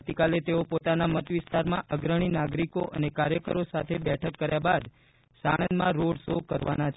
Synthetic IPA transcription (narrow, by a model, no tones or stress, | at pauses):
t̪ikalet̪eopot̪anamət̪ʋɪst̪aɾmãʔəɡɾəɽ̃inaɡɾikoʔənekaɾjəkə̰ɾosat̪ʰebɛʈʰəkːəɾjabad̪ | saɽ̃ənd̪mãɾoɽsokəɾʋa̰nat͡ʃʰ